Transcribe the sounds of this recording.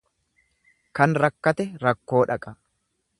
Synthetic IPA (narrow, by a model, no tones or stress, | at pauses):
kɐnɾɐkːɐt̪ɛɾɐkːo̞ːᶑɐkʼɐ